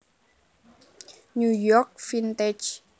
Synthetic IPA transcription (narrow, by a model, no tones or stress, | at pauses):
nujɔkfint̪ed͡ʒ